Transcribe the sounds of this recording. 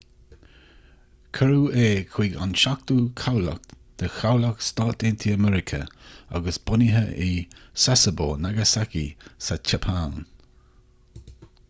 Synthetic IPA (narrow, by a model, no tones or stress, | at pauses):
kʰəɾuːeːkʰw̥iːɡa̰nʃak̚t̪uːkʰawlə̰k̚t̪ʰəxawləkst̪aːt̪ɪnt̪ʰiəmɛɹɪkʰə̰a̰ɡəsb̥ʊniɦəʔisasəboːnaɡəsakisat͡ʃʰɛpʰaːn